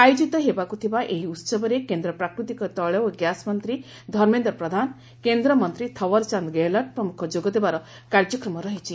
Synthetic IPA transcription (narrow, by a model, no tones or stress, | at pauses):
ajud͡ʒit̪ɔɦebakut̪ʰibaʔeɦiut̪sɔbɔɾekend̪ɾɔpɾakɾut̪ikɔt̪ɔɭewɡjasmɔnt̪ɾi | d̪ʱɔɾmend̪ɾɔpɾɔd̪ʱan | kend̪ɾɔmɔnt̪ɾit̪ʰɔwɔɾt͡ʃand̪ɡelɔʈ̚pɾɔmukʰɔd͡ʒoɡɔd̪ebaɾɔ | kaɾd͡ʒɔkɾɔmɔɾɔɦit͡ʃʰi